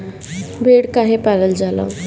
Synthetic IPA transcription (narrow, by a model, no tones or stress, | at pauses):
bʱeɽkaɦepaɾəld͡ʒala̰